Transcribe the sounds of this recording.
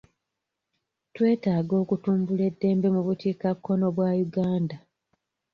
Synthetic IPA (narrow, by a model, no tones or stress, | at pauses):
twe̞ːtaːɡo̞ːkutuːmbule̞dːe̞ːmbe̞muβutiːkakːo̞no̞βwaːjuɡaːnda